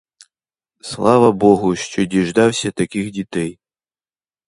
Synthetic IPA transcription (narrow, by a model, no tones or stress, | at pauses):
slˠɑʋɐbɔɦʊʃt͡ʃɔdʲiʐd̪ɑwsʲɐt̪akʲixdʲit̪ɛj